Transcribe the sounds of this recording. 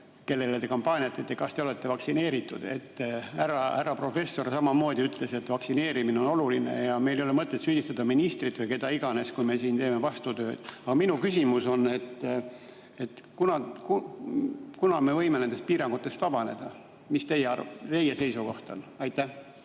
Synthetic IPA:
ke̞lːe̞let̪e̞kɑmpɑːnʲiɑt̪ːˑet̪ːe̞kɑst̪e̞o̞le̞t̪ːe̞vɑksine̞ːɾit̪ːˑud̪̥e̞̰t̪ːhæɾɑhæɾɑpro̞fe̞sːo̞rsɑmɑmo̞ːd̪̥ʲiyt̪ˑle̞se̞t̪ːˑvɑksine̞ːɾimineo̞no̞luline̞̰jɑme̞jlejolemɤt̪ːˑet̪syːd̪ist̪ɑd̪ɑminist̪rit̪vɨjke̞d̪ɑiɡ̥ɑne̞skujme̞siːnt̪eːme̞vɑst̪ut̪ø̞ːd̪̥ɑɡ̥ɑminukysʲimuso̞nːe̞t̪ː | e̞t̪ːkunɑku | kunɑme̞vɤ̞jme̞nend̪est̪̚piːɾɑŋɡ̥ut̪ːˑe̞st̪vɑb̥ɑne̞d̪̥ɑ | mist̪e̞jeɑr̰t̪e̞jese̞jsuko̞ht̪o̞̰nɑjt̪ːˑæh

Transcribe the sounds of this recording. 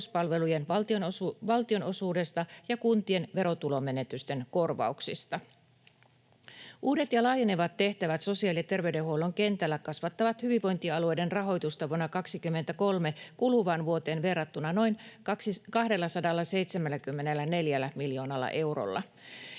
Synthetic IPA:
uspɑlʋe̞lujenʋɑlt̪io̞nʋɑlt̪io̞no̞suːde̞st̪ɑjɑkunt̪ie̞nʋe̞ɾo̞t̪ulo̞me̞ne̞t̪yst̪e̞nko̞rʋɑ̰uksist̪ɑ | ʔuːde̞t̪jɑlɑːjeneʋɑt̪ːe̞ht̪æʋæt̪so̞siɑːliɑt̪e̞rʋeydehuoloŋke̞nt̪ælːækɑsʋɑt̪ːɑʋɑt̪hyʋiʋʋo̞jnt̪iɑlue̞jde̞nrɑɦo̞jt̪ust̪ɑʋuonːɑkɑksikymːe̞nt̪æko̞lme̞kuluʋɑnʋuo̞t̪e̞ːnʋe̞rːɑt̪ːunɑno̞jnsikɑhde̞lːɑsɑdɑlːɑse̞jt̪semælːækymːe̞nelːæne̞ljælːæmiljo̞ːnɑlːɑ̰ʔe̞wro̰lːɑ̰

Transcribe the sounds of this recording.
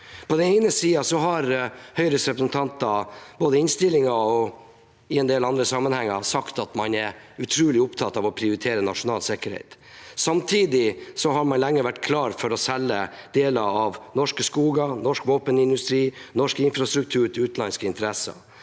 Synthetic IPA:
pʰɔd̪ɛnɛɪnəsiːɑsɔɦɑɾhœʏɾəsɾɛpɾəsnt̪ʰɑnt̪ɑboːd̪əɪnst̪ɪlːɪŋɑɔ | ɪɛnd̪eːlɑnd̪ɾəsɑmːənhɛŋːɑsɑkt̪ɑt̪mɑnɛɾʉt̪ʰɾuːlɪʊpt̪ʰɑt̪ɑʋɔpʰɾɪʊɾɪt̪ʰeːɾənɑʂʊnɑːlsɛkəɾhɛ̰ɪt̪sɑmt̪ʰiːd̪ɪsɔɦɑɾmɑnlɛŋːəʋæʈːkʰlɑːɾfɔɾɔsɛlːəd̪̥eːlɑɑʋnɔʂkəskuːɡɑnɔʂkʋoːpənɪnd̪ʉst̪ɾiːnɔʂkɪnfɾɑst̪ɾʉk̚t̪ʰʉːɾʈ̪ʉːt̪n̩ɑnskəɪnt̪əɾɛsɑ̰

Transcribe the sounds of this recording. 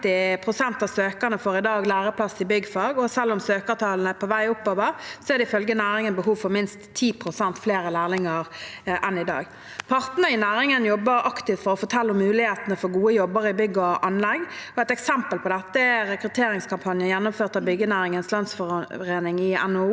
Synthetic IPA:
t̪ɪpʰʁʊsɛnt̪ɑːʋsøːkəʁnəfoːɾɪd̪ɑːɡlæːɾəpʰlɑsɪbʏɡfɑːɡɔsɛlːʊmsøːkət̪ʰɑːln̩əpʰɔʋæɪʊpːoːʋəɾsɔɛʁd̪ɛɪfœlɡənæːɾɪŋənbəɦuːʋfɔɾmɪnst̪ʰːiːpʰʁʊsɛnt̪fleːɾəlæːʁlɪŋəʁʔɛnɪd̪ɑ̰ːɡ | pʰɑʁt̪nəɾɪnæːɾɪŋənjɔbːəɾɑkt̪ɪft̪fɔʁɔfɔt̪ʰɛlːəʊmːʉːlɪheːt̪ənəfɔɾɡuːəjɔbːəɾɪbʏɡːəɔʔɑnlɛɡɔɛt̪ɛksɛmpəlpʰɔd̪ɛt̪ːəɛɾɛkɾʉt̪ʰeːɾɪŋskʰɑmpʰɑnjəjɛnːʊmføːʁt̪ɑʋbʏɡːənæːɾɪŋənslɑnsfɔʁeːnɪŋɪɛ̰nː

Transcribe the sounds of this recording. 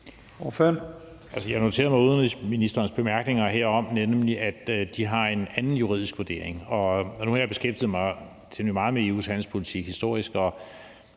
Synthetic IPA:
ɔføɐn | ælsəjɑ̈ɪno̝t͡sʰe̝̰ːɐmɑ̈uðˠniminisd̥ɐːnsb̥e̝mæɐɡ̥ne̝ŋɐɦeɐ̰ɒ̽m̰nemliʔæd̥d̥iɦɑ̈e̝nænn̩juʁḭð̞̰ˠisɡ̥ʋoɐd̥e̝̰ɐ̰eŋɒ̽nuhɑjäb̥e̝sɡ̥efd̥ið̩ˠmɑ̈ɪ | t͡sʰeimɑ̈ːð̩ˠmee̝ːṵshæn̰l̩spʰo̝lit͡sʰiɡ̥hisd̥o̝ɐ̰isɡ̥ɒ

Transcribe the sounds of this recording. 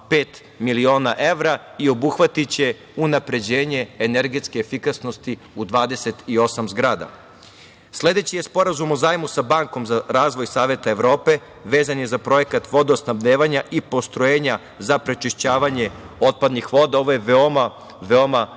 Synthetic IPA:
peːt̪ | milio̞ːnaʔe̞ʋɾaio̞buxʋat̪it͡ɕe̞ | unapɾe̞d͡ʑeːɲe̞ːneɾɡet̪skeːfikasno̞st̪i | ud̪ʋaːd̪e̞set̪io̞samzɡɾaːd̪a̰ | sle̞d̪e̞t͡ɕije̞spo̞ɾazumozaːjmusabaːŋko̞mzaɾaːzʋo̞jsaːʋe̞t̪aeʋɾo̞ːpe̞ | ʋe̞ːzanjezapɾo̞je̞kat̪ʋo̞d̪oosnabd̪eːʋaɲaʔipo̞st̪ɾojeːɲa | zapɾet͡ʃeʃt͡ɕaːʋaɲe̞o̞t̪̚pad̪nixʋo̞d̪ao̞ʋo̞jeʋeo̞ma | ʋeoma

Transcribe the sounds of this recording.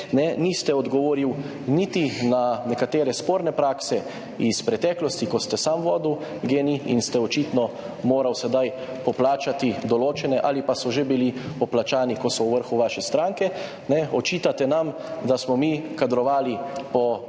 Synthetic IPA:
nɛnist̪ɛɔd̪ɡɔʋoːɾiw | nit̪inanɛkat̪eːɾɛspoːɾnɛpɾaːksɛ | ispɾɛt̪ɛːklɔst̪ikɔst̪ɛsamʋɔːd̪uwɡeːniḭnst̪ɛɔt͡ʃit̪nɔ | moːɾawsɛd̪aj | pɔplaːt͡ʃat̪id̪ɔloːt͡ʃɛnɛʔalipasɔʒebilipɔplat͡ʃaːnikɔsɔwʋəɾxuʋaːʃɛst̪ɾaːŋkɛ | nɛɔt͡ʃiːt̪at̪ɛnam | d̪asmɔmikad̪ɾɔʋaːlipɔ

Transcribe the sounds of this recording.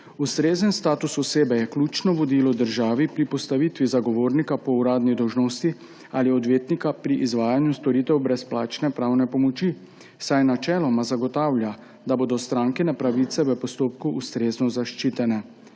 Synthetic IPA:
ust̪ɾeːzənst̪aːt̪usɔseːbɛjɛklʲut͡ʃnɔʋɔd̪iːlɔd̪əɾʒaːʋipɾipɔst̪aʋit̪ʋizaɡɔʋoːɾnikapɔuɾaːd̪nid̪ɔwʒnoːst̪i | aliɔd̪ʋeːt̪nikapɾiʔizʋaːjanjust̪ɔɾiːt̪ɛwbɾɛsplaːt͡ʃnɛpɾaːwnɛpɔmɔt͡ʃi | sajnat͡ʃɛːlɔmazaɡɔt̪aːwlʲja | d̪aboːd̪ɔst̪ɾaːŋkɛnɛpɾaʋit̪sɛʋəpɔst̪oːpkuʔːst̪ɾeːznɔzaʃt͡ʃiːt̪ɛnɛ

